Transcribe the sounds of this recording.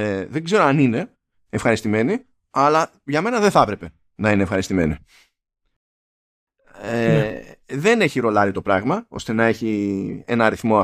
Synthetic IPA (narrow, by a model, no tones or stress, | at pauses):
eðeɡze̞ɾoɐnine̞ː | fxɐɾist̪ime̞ni | ɐlɐ | ʝɐme̞nɐðeθɐpɾe̞pe̞ | nɐineːfxɐɾist̪ime̞ni | e | ðe̞ne̞çiɾo̞lɐɾit̪o̞pɾɐɣmɐo̞st̪e̞nɐe̞çie̞̰nɐɐɾiθmo̞ɐ